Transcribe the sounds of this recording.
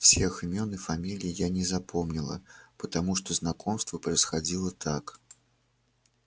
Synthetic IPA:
wsʲɛxɨmʲɔnɨfamʲilʲijijanʲɛzapɔmnʲilˠɐ̰pɐt̪amuʂt̪ɔznakʰɔmst̪vɐpɾɐjsxad͡zʲilˠɐt̪ʰak

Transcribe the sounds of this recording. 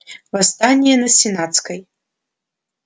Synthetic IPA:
vast̪anʲijɛnɐsʲinat̪skɐj

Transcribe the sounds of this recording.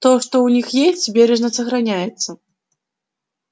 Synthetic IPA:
t̪ɔʂt̪ɔwnʲixjesʲt͡sʲbʲeɾɛʐnɐsɐxɾanʲajɛt̪sːɐ

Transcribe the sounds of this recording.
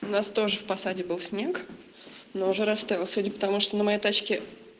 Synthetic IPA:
ʊnast̪o̞ʐɨfpɐsadʲɪbɨlˠsʲnʲe̞k | noʊʐɛɾɐst̪aɪlˠsʲudʲɪpə̥t̪ɐmuʂt̪onəmɐjejt̪at͡ɕkʲɪ

